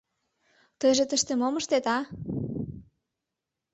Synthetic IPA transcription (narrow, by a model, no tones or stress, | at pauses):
t̪əjʒĕt̪əʃt̪emoməʃt̪et̪ɑ